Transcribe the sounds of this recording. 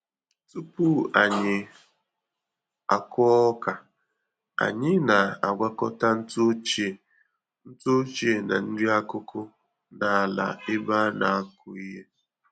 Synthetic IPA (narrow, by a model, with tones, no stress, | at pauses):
tu˦pu˦a˨ɲɪ˨ | a˨kʊ˦ka˨ | a̰˨ɲɪ˦na˨a˨ɡʷa˦kɔ˦ta˦n̩˦to˦t͡ʃe˦˨ | n̩˦to˦t͡ʃe˦˨na̰˨n̩˦dɪ˦a˦kʊ˦kʰʊ˦ | na˨a˨la̰˨ɪ˦ba˦na˨a˦kʊ˨i˦ɦe˦